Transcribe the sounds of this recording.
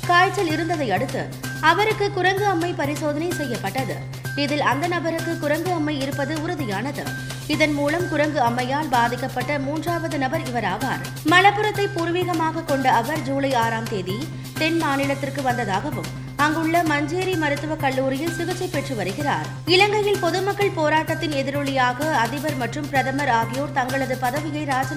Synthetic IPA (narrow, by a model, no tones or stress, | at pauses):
kaːjt͡ʃːɐlɪɾɯnd̪ɐðɐɪɐɽɯt̪ːɯ̰ | ɐʋɐɾɯkːɯkʊɾɐŋɡɯɐmːɐɪpɐɾɪsoːðɐnɐɪsɛjːɐpːɐʈːɐðɯ | ɪðɪlɐnd̪ɐnɐbɐɾɯkːɯkʊɾɐŋɡɯɐmːɐɪɪɾɯpːɐðɯʊɾɯðɪjaːnɐðɯ | ɪðɐnmuːlɐmkʊɾɐŋɡɯɐmːɐjaːɭbaːðɪkːɐpːɐʈːɐmuːndraːʋɐðɯnɐbɐɾɪʋɐɾaːʋaːɾ | mɐɭɐpːɯɾɐt̪ːɐɪpuːɾɯʋiːɣɐmaːɣɐkɔɳɖɐɐʋɐɾd͡ʒuːlɐɪaːɾaːmt̪eːði | t̪ɛnmaːnɪɭɐt̪ːɪrkɯʋɐnd̪ɐðaːɣɐʋɯm | ɐŋɡɯɭːɐmɐɲd͡ʒeːɾimɐɾɯt̪ːɯʋɐkɐɭːuːɾɪjɪlsɪɣɯt͡ʃːɐɪpːɛʈrɯʋɐɾɯɣɪra̰ːɾ | ɪlɐŋɡɐjɪlpɔðɯmɐkːɐɭpoːɾaːʈːɐt̪ːɪnɛðɪɾoːɭɪjaːɣɐɐðɪʋɐɾmɐʈrɯmpɪɾɐðɐmɐɾaːɣɪjoːɾt̪ɐŋɡɐɭɐðɯpɐðɐʋɪjɐɪɾaːd͡ʒɐ